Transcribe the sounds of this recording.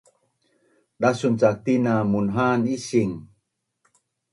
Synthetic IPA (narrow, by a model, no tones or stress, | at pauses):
ɗasunt͡sak̚t̪inamunɦaniɕiŋ